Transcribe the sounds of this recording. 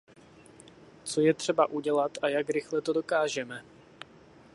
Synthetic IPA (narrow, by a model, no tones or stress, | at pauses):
t͡so̞jɛt̪r̝̥ɛbaʔuɟɛlat̪ʔajakɾɪxlɛt̪o̞do̞kaːʒɛmɛ